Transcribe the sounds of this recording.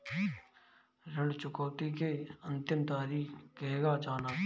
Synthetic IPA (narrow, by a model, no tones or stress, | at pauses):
ɾəɳɖt͡ʃʊkoːt̪ikeənt̪ɪmt̪aːɾiːkeːɡaːt͡ʃaːnaː